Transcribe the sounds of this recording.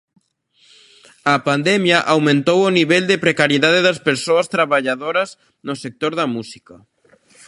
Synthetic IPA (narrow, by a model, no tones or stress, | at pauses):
ɐpand̪ɛmjɐʔawmẽnt̪owoniβɛld̪epɾekaɾjeðaðeðɐspeɾsoɐst̪ɾaβaʎaðoɾɐz | nʊsek̚t̪oɾðɐmusikɐ